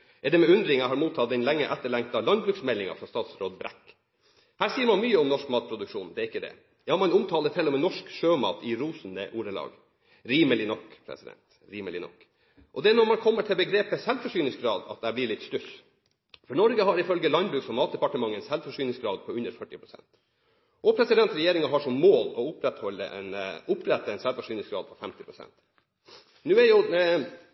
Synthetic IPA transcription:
ɛd̪ɛmɛʉnd̪ɾɪŋɑhɑɾmuːt̪ʰːɑt̪d̪ɛnlɛŋːəʔɛt̪ːəɭɛŋk̚t̪ɑlɑnbɾʉːksmɛlːɪŋɑ̰fɾɑst̪ɑːt̪sɾoːd̪bɾɛ̰kː | hæːsiːəɾmɑnmyːəɔmnɔʂkmɑːt̪̚pʰɾʊd̪ʉkʂuːnd̪ɛɪkːəd̪ɛ̰ | jɑːmɑnʊmt̪ʰɑːlət̪ʰɪlːɔmɛːnɔʂkʂøːmɑ̰ːt̪ɪɾuːsnd̪ə̰ʔuːɾəlɑ̰ːɡ | ɾiːməlɪnɔkpʰɾɛ̰sɪd̪ɛ̰nt̪ | ɾiːməlɪ̰nɔ̰kː | ʔɔd̪ɛænɔɾmɑnkʰɔmːəʈʰɪlbəɡɾeːpəsɛlfɔʂyːnɪsɡɾɑːd̪ɑ̰t̪̚d̪æblɪɭɪt̪ːʂt̪ʉs | fɔɳɔɾɡəɦɑɾɪfœlɡəlɑnd̪bɾʉːksɔmɑːt̪̚d̪ɛpɑʈəmɑŋːənsɛlfɔʂyːnɪsɡɾɑːd̪̚pʰɔʉnəɾfœʈːɪpʰɾʊsɛ̰nt̪ | ʔɔpʰɾɛsɪd̪ɛnt̪ɾɛjeːɾɪŋɑɦɑʂɔmːoːlɔʊpɾɛt̪hɔlːə̰ʔɛnʊpɾɛt̪ːəɛnsɛlfɔʂyːnɪŋsɡɾɑ̰ːd̪pʰɔfɛmt̪ɪpʰɾʊsɛ̰nt̪ | nʉːɛjʊ

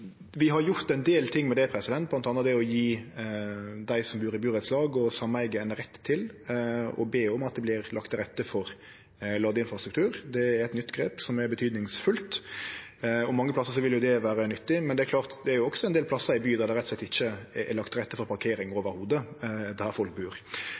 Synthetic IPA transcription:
ʋɪɦɑɾjʊɾt̪ɛnd̪eːlt̪ʰɪŋːmɛd̪ɛpʰɾɛsɪd̪ɛnt̪̚blɑnt̪ɑnəd̪ɛɔjiː | d̪æɪsɔmbʉːɾɪbʉːɾɛt̪slɑːɡɔsɑmːəɛɡːəɛnɾɛt̪ʰːɪl | ɔ̰beːɔmɑt̪̚d̪ɛblɪɾlɑkt̪ɾɛt̪ːəfɔɾ | lɑːɡ̪əɪnfɾɑst̪ɾ̥ʉkt̪ʰʉːɾd̪ɛæɾɛt̪nʏt̪ːɡɾeːpsɔmɛɾbət̪ʰyːd̪nɪŋsfʉlt̪ | ɔmːɑŋːəplɑsːəʂɔʋɪljʊd̪ɛʋæːɾənʏt̪ːɪmɛnd̪ɛæɾkʰlɑːʁt̪d̪ɛæɾjʊɔksɔɛnd̪eːlpʰlɑsːəɾɪbyːd̪æɾd̪ɛɾɛt̪sɛt̪ːɪçːəɛ̰lɑkt̪ɾɛt̪ːəfɔɾpɑɾkʰeːɾɪŋoːʋəɾhuːd̪əd̪æɾfɔlk̚bʉːɾ

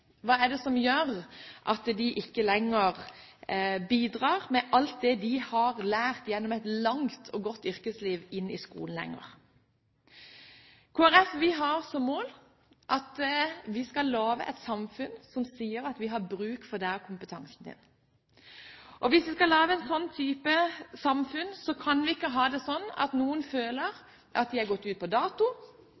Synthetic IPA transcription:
ʋɑːɛd̪ɛsɔmjøːʁʔɑt̪d̪ɪʔɪkːəlɛŋːəʁ | biːd̪ʁɑːʁmɛʔɑlt̪̚d̪ɛd̪ɪhɑʁlæːʁt̪jɛnːɔmɛt̪lɑŋt̪ʰɔɡɔt̪ːʏɾkəsliːʋɪnːɪskṵːln̩lɛ̰ŋːə̰ʁ | kʰoːæɾɛfʋɪɦɑɾsɔmmːoːl | ʔɑt̪ʋɪskɑllːoːʋə̰ʔɛ̰t̪sɑmfʉnsɔmsiːəɾɑt̪ʋɪɦɑɾbʁʉːkfɔd̪æːkʰʊmpət̪ʰɑŋsn̩d̪ɪ̰n | ʔɔʋɪsʋɪskɑlɑːʋəɛnsɔnːt̪ʰyːpəsɑmfʉnsɔkʰɑnʋɪɪkːəɦɑːd̪ɛsɔnːɑ̰t̪nuːənføːləʁ | ʔɑt̪d̪ɪɛɾɡɔt̪ːʉːt̪̚pɔd̪ɑːt̪ʊ

